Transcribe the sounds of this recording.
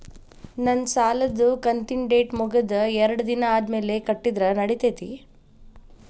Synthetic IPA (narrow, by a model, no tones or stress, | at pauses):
nɐnsaːlɐd̪ukɐnt̪iɳɖeːʈmuɡɐd̪ɐɛɾɐɽɐd̪inɐaːd̪me̞ːlekɐʈːid̪ɾɐnɐɽit̪eːt̪i